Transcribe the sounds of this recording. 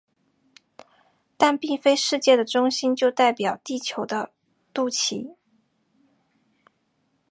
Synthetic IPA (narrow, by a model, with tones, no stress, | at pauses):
t̪a˥˧npi˥˩ŋfe˥ɪʂɻ̩˥˧t͡ɕjɛ˥˩d̪ə˩ʈ͡ʂʊ˥ŋɕi˥nt͡ɕjo˥˧ʊt̪a˥˩ɪpjɑ˨˩ʊt̪i˥˩t͡ɕʰjo˧˥ʊd̪ə˧ | t̪u˥˩t͡ɕʰḭ˧˥